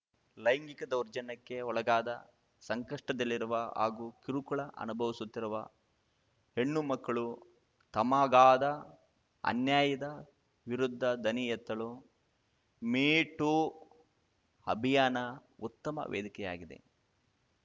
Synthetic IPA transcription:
lɐjŋɡikɐd̪ɐwɾd͡ʒɐnɐkːe̞ɔɭɐɡaːd̪ɐ | sɐŋkɐʂʈɐd̪ɐlːiɾuʋɐa̰ːɡukiɾukuɭɐʔɐ̰nubʱɐʋisut̪ːiɾuʋɐ̰ | heɳːumɐkːɐɭu | t̪ɐmaːɡaːd̪ɐ | ɐ̰njaːjɐd̪ɐ | ʋiɾud̪ʱːɐd̪ɐnijɛt̪ːɐɭu | miːʈu | ɐ̰bʱijaːnɐut̪ːɐmɐ̰ʋʔḛːd̪ikɛja̰ːɡid̪e̞̰

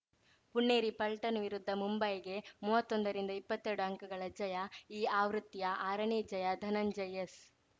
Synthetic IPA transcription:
puɳːeːɾipɐlʈɐnʋiɾud̪ʱːɐmumbɐjɡe̞muːʋɐt̪ːond̪ɐɾind̪ɐipːɐt̪ːeɾɽuɐŋkɐɡɐɭɐd͡ʒɐjɐiːaːʋɾut̪ːijɐʔaːɾɐɳiːd͡ʒɐjɐd̪ʱɐnɐnd͡ʒɐjes

